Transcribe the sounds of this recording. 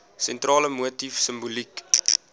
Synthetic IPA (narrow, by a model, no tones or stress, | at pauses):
sɛntrɑːləmuətifsəmbulik